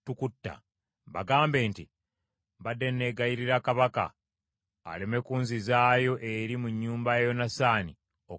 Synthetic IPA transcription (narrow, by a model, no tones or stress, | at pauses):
tukutːa̰ | βa̰ɡaːmbe̞ːnti | βadːe̞nːe̞ɡajiɾiɾakaβaka̰ː | lemekuːnzizaːjo̞ʔeɾimuɲːuːmbajejo̞nasaːni | o